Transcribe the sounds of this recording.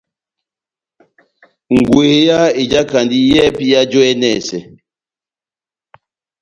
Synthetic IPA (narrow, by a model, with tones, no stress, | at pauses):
ŋ̩˨ɡwe˨ja˦e˨d͡ʒa˦ka˨ndi˦jɛ˦pi˦ja˦d͡ʒɔ˦ɛ˦nɛ˦˨sɛ˨